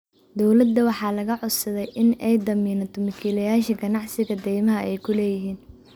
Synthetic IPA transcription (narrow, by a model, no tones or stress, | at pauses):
d̪ɔwlɐd̪ːɐwɑħɑːlɐɣɐʕʊsɐðɛjʔɪnɛjd̪ɐmiːnɐt̪ʰɔmɐkʰiːlɐjaːʃɐɡɐnɑʕsɪɣɐd̪ɛjmɐɦɐɛjkʰʊlɛːjɪɦiːn